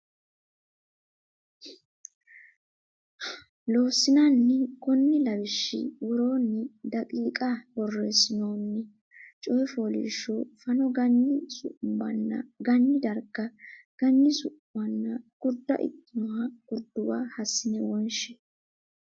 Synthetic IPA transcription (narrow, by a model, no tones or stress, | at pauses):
loːsɪnanːɛkɔnːɪlɐbɪʃːɪ̰wʊɾo̞ːnːɪd̪ɐkʼiːkʼabɔrːeːsɪnoːnːɛ | t͡ʃʼɔjɛfo̞ːlɪ̰ːʃːɔfɐnɔɡɐnːɪsʊ̰ʔmbɐnːɐ̰ɡɐnːɪd̪ɐɾkːɐɡ̥ɐnːɪsʊʔːɐnːɐɡ̥ʊɾd̪ːɐ̰ʔɪ̰t̪ʼːɪnɔɐɡ̥ʊɾd̪ːʊwa̰ːhɐsːɪnɛwɔnʃɛ̥